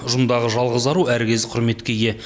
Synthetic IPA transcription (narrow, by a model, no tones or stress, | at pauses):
ʊʒʊmd̪ɑʁəʒɑlˠʁəzɑɾuæɾkʲe̞zɪqʰʊɾme̞t̪kʲe̞jʲe̞